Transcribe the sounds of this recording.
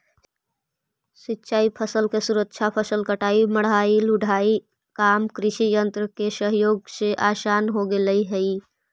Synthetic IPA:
sitːʃaːipʰəsəlkesuɾəkt͡ʃʰapʰəsəlkəʈaiməɽɦailuɖʱaːi | kamkɾɪʃijənt̪ɾəkesəɦjoːɡseʔasaːnɦoɡeləiɦəi

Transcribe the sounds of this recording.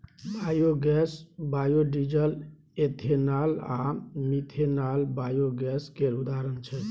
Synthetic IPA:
bajoɡɛsbajoɖid͡ʒəl | et̪ʰenala̰mit̪ʰenalbajoɡɛskeɾud̪aɾənt͡ʃʰɛ

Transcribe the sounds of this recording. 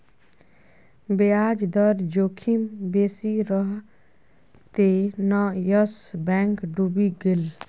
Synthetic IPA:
beaːd͡ʒd̪əɾd͡ʒoːkʰimbeːsiɾəɦ | t̪enajəsbɛ̃ːŋkɖubiɡɪl

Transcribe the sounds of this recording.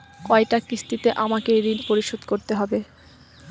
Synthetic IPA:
kɔeʈakɾist̪it̪eʔamakeɾinpoɾiʃod̪koɾt̪eɦɔbe

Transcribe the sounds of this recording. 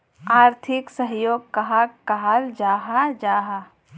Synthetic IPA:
aːɾt̪ʰɪksəɦjoːɡ̚kɐɦakɐɦald͡ʒaːɦad͡ʒaːɦa

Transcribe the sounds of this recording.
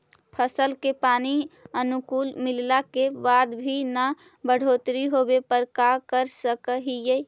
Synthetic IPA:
pʰəsəlkepaniənukulmillakebad̪bʱina | bəɽ̤ot̪ɾiɦobepəɾkakəɾsəkəɦijə

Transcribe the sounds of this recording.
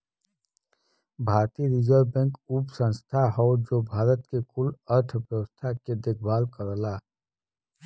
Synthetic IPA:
bʱaːɾt̪iɾid͡ʒəɾbɛ̃ːŋkupsə̃nst̪ʰaɦɔd͡ʒobʱaːɾət̪kekʊləɾʈʰʋjəwəst̪ʰaked̪ekʰbaːlkəɾəla

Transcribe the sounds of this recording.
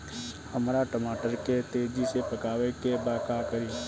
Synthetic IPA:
həmɾaʈəmaːʈəɾket̪eːd͡ʒisepəkaːʋekebaːkakəɾiː

